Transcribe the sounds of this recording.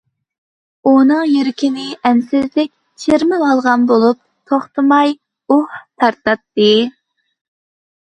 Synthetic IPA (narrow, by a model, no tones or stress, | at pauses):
unɨŋjyɾɪkʲʰinɪʔɛnsɪzlɪkʲ | t͡ʃʰeɾmɪɑlˠʁɑnbolˠup̚ | t̪ʰoχt̪ʰɨmɑj | uht̪ʰɑɾt̪ɑt̪ːɨ